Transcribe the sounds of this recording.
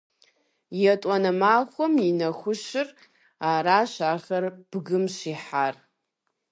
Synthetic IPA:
jatʼanamaχʷaminaχʷʊʃɪr | aɾaʃʷaʁarb̥ɡɨmʃiħar

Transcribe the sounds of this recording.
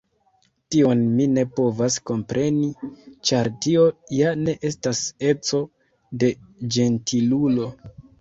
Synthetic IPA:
tio̞nmine̞po̞vasko̞mpɾʔe̞nit͡ʃaɾtio̞jane̞ʔe̞stase̞t͡so̞ | de̞d͡ʒe̞ntʰilulo̞

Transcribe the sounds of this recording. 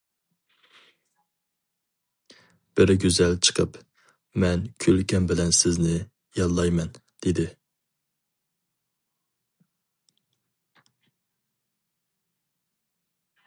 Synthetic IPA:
b̥ɪɾɪɡʲyzɛlt͡ʃʰə̥qʰəp | mɛnkʲʰølkʲɛnbɪlɛnsɪznɪ | jɑnˠlːˠɑjmɛnd̪̥ɪd̪ɪ

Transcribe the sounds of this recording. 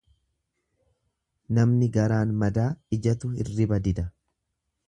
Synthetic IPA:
nɐmnɪɡɐɾaːnmɐd̪aːɪd͡ʒɐt̪ʊɪ̰rːɪbɐd̪ɪd̪ɐ

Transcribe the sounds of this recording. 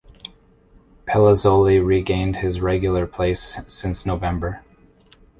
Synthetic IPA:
pʰɛlˠəzolˠiɹiɡẽɪ̃nd̥̚ɪzɹɛɡjl̩ˠə˞pʰl̥eɪsːɪ̃nsnoʊvɛ̃mbə˞

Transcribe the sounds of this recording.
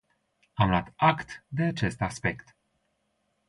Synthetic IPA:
amlat̪akt̪d̪e̞at͡ʃe̞st̪aspe̞kt̪

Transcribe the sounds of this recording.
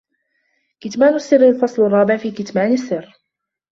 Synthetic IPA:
kɪt̪maːnasːɪrːalfɑsˤlarˤːɑːbɪʕfiːkɪt̪maːnasːɪrː

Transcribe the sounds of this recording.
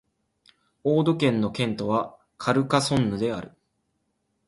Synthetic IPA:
o̞ːd̪o̞kẽ̞nːo̞kẽ̞nt̪o̞βa | kʰaɾɯ̟kasõ̞nːɯ̟d̪e̞a̰ɾɯ̟

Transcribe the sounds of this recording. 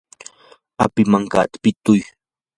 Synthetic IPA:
a̰pɪmaŋka̰ːt̪ḁpɪt̪ʊj

